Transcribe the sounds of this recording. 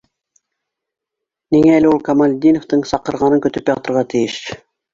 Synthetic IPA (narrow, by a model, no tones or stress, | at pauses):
niŋæælɘulˠkɑmɑlʲd̪ʲinoft̪ɤɴsɑqɤ̆ɾʁɑnɤkɵ̆t̪ɵpjɑt̪ɤ̆ɾʁɑt̪ʰijɘʃ